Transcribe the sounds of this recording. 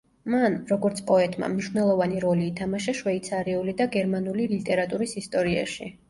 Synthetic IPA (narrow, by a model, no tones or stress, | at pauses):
manɾɔɡɔɾt̪sʰpʼɔɛt̪ʼma̰mniʃwvnɛlˠɔvaniɾɔliːt̪ʰamaʃaʃwɛit̪sʰaɾiulid̪aɡɛɾmanulilit̪ʼɛɾat̪ʼuɾisist̪ʼɔɾia̰ʃḭ